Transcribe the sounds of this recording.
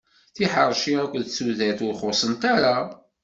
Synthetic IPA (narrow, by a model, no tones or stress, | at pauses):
θiħəɾˤʃiækʷðt͡sːuðæθʊɾχʊsˤənt̪aɾa